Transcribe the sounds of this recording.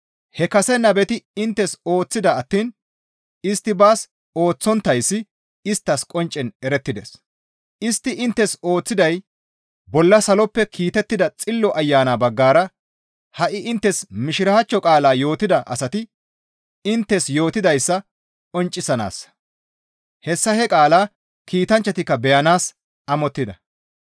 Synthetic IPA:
hɛkɐsɛnːɐbɛt̪ɪɪnt̪ːɛso̞ːt͡sːɪd̪ɐːt̪ːiːn | ɪst̪ːɪbaːs | o̞ːt͡sːɔnt̪ːɐjsːɪ | ɪst̪ːɐskʼɔnt͡ʃʼːɛnɛɾɛt̪ːɪd̪ḛs | ʔɪst̪ːɪʔɪnt̪ːɛso̞ːt͡sːɪd̪ɐj | bɔlːɐsɐlɔpːɛkʰiːt̪ɛt̪ːɪd̪ɐt͡sʼɪlːɔʔɐjːaːnabɐɡːaːɾɐ | hɐʔɪʔɪnt̪ːɛsmɪʃɪɾɐhɐt͡ʃːɔkʼaːlaːjo̞ːt̪ɪd̪ɐʔɐ̰sɐt̪ɪ | ɪnt̪ːɛsjo̞ːt̪ɪd̪ɐjsːɐ | kʼɔnt͡ʃʼːɪsɐna̰ːs | hɛsːɐhɛkʼaːlaː | kiːt̪ɐnt͡ʃːɐt̪ɪkːɐbɛjɐnaːs | ʔɐmɔt̪ːɪd̪ɐ

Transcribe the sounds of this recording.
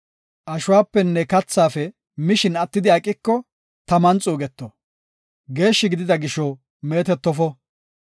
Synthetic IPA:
ʔɐʃʊwaːpːɛnːɛkɐt͡sːaːfɛ | mɪʃɪnɐt̪ːɪd̪ɪɐkʼːɪkːɔ | t̪ɐmɐnt͡sʼuːɡɛt̪ːɔ | ɡe̞ːʃːɪɡɪd̪ɪd̪ɐɡɪʃɔ | me̞ːt̪ɛt̪ːɔfɔ

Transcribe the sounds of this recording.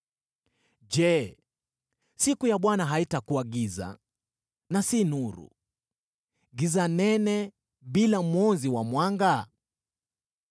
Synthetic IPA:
ʄɛ | sikujaɓwanaɦaitakuaɡiza̰ | nasinuɾṵ | ɡizanɛnɛ | ɓilamwɔnziwamwaŋɡa

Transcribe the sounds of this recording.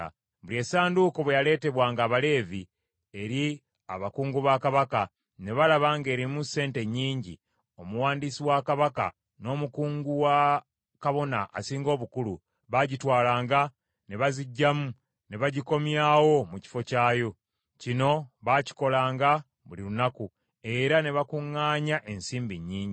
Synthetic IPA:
βulie̞ːsaːnduko̞βwejale̞ːte̞βwaːŋɡaːβale̞ːvi | e̞ɾi | a̰βakuːŋɡuβakaβaka | ne̞βalaβaːŋɡeːɾimuse̞ːnte̞ɲːiːɲɟḭ | o̞muwaːndisiwakaβaka̰ | no̞ːmukuːŋɡuwa | kaβo̞na̰ʔːsiːŋɡo̞ːβukulu | βaɟitwaːlaːŋɡa | ne̞βaziɟːamu | ne̞βaɟiko̞mjaːwo̞muci̥fo̞caːjo̞ | cino̞βaci̥ko̞laːŋɡa | βulilunaku | e̞ɾane̞βakuŋːaːɲaʔe̞nsiːmbiɲːiːɲɟi

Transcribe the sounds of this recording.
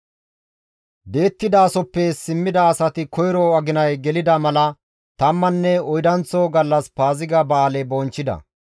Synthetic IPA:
d̪e̞ːt̪ːɪd̪ɐːsɔpːɛsɪmːɪd̪ɐːsɐt̪ɪkɔjɾɔɐɡɪnɐjɡɛlɪd̪ɐmɐlɐ | t̪ɐmːɐnːɛɔjd̪ɐnt͡sːoɡɐlːɐspaːzɪɡɐbaːlɛbɔnt͡ʃːɪd̪ɐ̰

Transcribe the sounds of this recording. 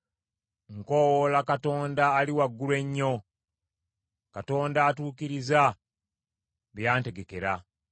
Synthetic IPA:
ŋko̞wolakato̞ːndaːliwaɡːulwe̞ɲːo̞ | kato̞ːndaːtuːkiɾiza | βjaːnte̞ɡe̞ke̞ɾa

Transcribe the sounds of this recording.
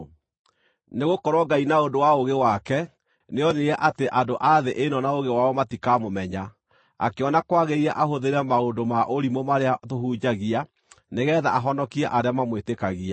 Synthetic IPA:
neɣokɔɾwɔɡainaondowaoɣewakɛ | neɔneɣɛʔateʔadoʔaðeʔenɔnaoɣewaɔmatikamomɛɲa | a̰keɔnakwaɣeiɾɛʔahoðeɾɛmaondomaʔoɾimomaɾeatoɦuːd͡ʒaɣia | neɣɛːða̰ʔaɦɔnɔkiɛʔaɾeamamwetekaɣia

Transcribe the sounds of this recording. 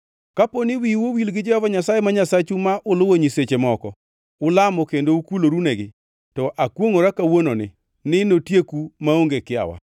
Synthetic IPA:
kaponɪwiwowilɡɪd͡ʒɛhɔvaɲasajemaɲasat͡ʃumaʔʊlʊwoɲiset͡ʃemɔkɔ | ʊlamɔkendoukuloɾuneɡɪ | tɔʔakwoŋoɾakawononɪ | nɪnotjekumaoŋɡekɪa̰wa̰

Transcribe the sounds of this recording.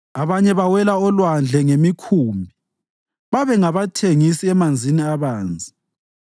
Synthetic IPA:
aβaɲɛβawɛlaɔlwand͡ɮʱɛŋemikʰumbʱi | βaβɛŋaβatʰeŋisiɛmand͡zʱiniaβaːnd͡zʱi

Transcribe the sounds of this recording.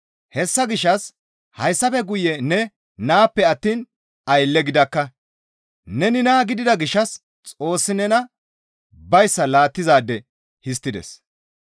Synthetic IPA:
hɛsːɐɡɪʃːɐs | hɐjsːɐfɛɡʊjɛnɛ | naːpːɛɐt̪ːiːn | ɐjlːɛɡɪd̪ɐkːɐ | nɛnɪnaːɡɪd̪ɪd̪ɐɡɪʃːɐs | t͡sʼo̞ːsːɪnɛnɐ | bɐjsːɐlaːt̪ːɪzaːd̪ːɛ | hɪs̬t̪ːɪd̪ɛ̰s

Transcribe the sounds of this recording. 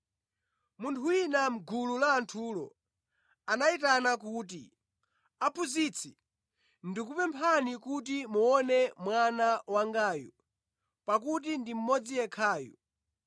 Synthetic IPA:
muntʰuwinam̩ɡululaːntʰuːlɔ̰ | anaitanakuːt̬ḭ | apʰuzit͡sʰi | ndikupɛmpʰanikutimuɔnɛmwanawaŋɡaːjṵ | pak̬ut̬indim̩mɔd͡zijɛkʰaːjṵ

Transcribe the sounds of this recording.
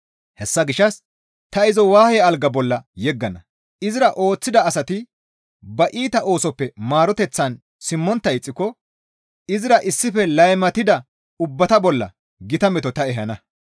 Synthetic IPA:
hɛsːɐɡɪʃːɐs | t̪ɐɪzɔwaːhɛɐlɡɐbɔlːɐjɛɡːɐnɐ | ɪzɪɾɐʔo̞ːt͡sːɪd̪ɐːsɐt̪ɪ | bɐʔiːt̪ɐʔo̞ːsɔpːɛmaːɾɔt̪ɛt͡sːɐn | sɪmːɔnt̪ːɐɪt͡sʼːɪkːɔ | ɪzɪɾɐʔɪsːɪfɛlɐjmɐt̪ɪd̪ɐ | ʊbːɐt̪ɐbɔlːɐ̰ | ɡɪt̪ɐmɛt̪ɔt̪ɐɛɦɐnɐ

